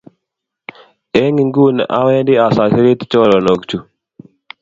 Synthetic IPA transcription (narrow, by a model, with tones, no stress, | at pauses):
e˦ŋi˨ŋɡu˦na̰˦wɛ˦ndɪ˦a˨sa˨ki˦ɾi˦t̪t͡ʃɔ˦ɾɔ˨no˨kt͡ʃu˨